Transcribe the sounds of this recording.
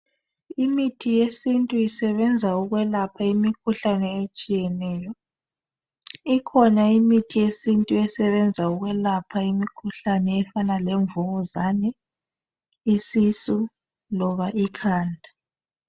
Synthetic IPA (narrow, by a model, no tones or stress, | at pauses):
imitʰijesintʼuisɛβɛnd͡zʱauɣwɛlapʰaimikʰuɬanɛet͡ʃʼijɛnɛːjɔ | ikʰɔnaimitʰijesintʼuɛsɛβɛnd͡zʱauɣwɛlapʰaimikʰuɬanɛːfanalɛɱvuɣuzanɛ | isisu | lɔβaʔikʰaːndʱa